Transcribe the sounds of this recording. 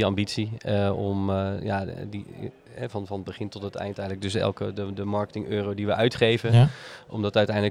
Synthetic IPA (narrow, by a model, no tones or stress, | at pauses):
iɑmbitsiɔmjadi | ɛvɑnfɑnətbəχɪntɔtətɛ̰jntɛjndləɡ̚dɵs̬ɛ̰lˠkədədəmɑɹkə̥tɪŋøːrowdiʋəʔœɥtχejvənʔɔ̰mdɔtœɥtɛjndələ